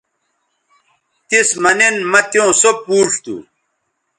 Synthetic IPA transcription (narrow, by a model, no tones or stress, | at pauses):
t̪ismɐnenmɐt̪jõːsopuːʂt̪ṵ